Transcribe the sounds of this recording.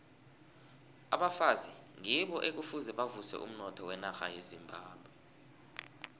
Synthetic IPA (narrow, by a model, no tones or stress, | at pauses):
aɓafaziŋiɓɔʔek̬ufuzɛɓavusɛ̰ʔṵm̩nɔtʰɔwɛnaxa̰jezimbʱaːɓwɛ